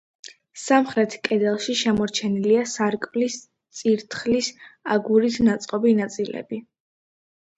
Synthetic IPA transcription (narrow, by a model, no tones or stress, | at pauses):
samχɾɛt̪ʰkʼɛd̪ɛlˠʃiʃɛmɔɾt͡ʃʰɛniliasaɾkʼvlis | t̪sʼiɾt̪ʰχlisaɡuɾit̪ʰnat̪sʼqʼɔbinat̪sʼilɛ̰bi